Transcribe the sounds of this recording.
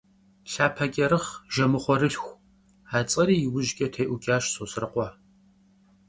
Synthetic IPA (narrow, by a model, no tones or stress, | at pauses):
ɬaːpʰɐɡʲɐɾɨχʒɐmɨχʷɔɾɨɬxʷ | aːt͡sʼɐɾiːjɪwʊʒɡʲʼɐtʰejʔʷʊɡʲʼaːʃsʼoːsrɨqʷɑ